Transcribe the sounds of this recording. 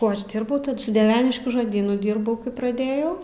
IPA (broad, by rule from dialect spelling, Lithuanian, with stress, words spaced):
ˈkuɔ ˈɐʃ ˈdʲiːrbɐʊ sʊ dʲiɛˈʋʲæːnʲɪʃʲkʲuː ʒoːˈdʲiːnʊ ˈdʲiːrbɐʊ kɐɪ prɐˈdʲeːjɛʊ